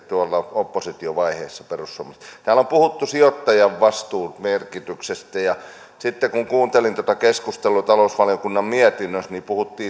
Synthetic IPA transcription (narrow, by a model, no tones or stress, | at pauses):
t̪uolːɑopːosit̪ioʋɑiheːsːɑperusˑomɑst̪t̪æːlompuhut̪ːusiot̪ːɑjɑʋʋɑst̪uːt̪merkit̪yksest̪æjɑ | sit̪ːekuŋkuːnt̪elint̪ot̪ɑkeskust̪elˑut̪ɑlousʋɑlijokunːɑmmiet̪inːøsnipuhut̪ːiː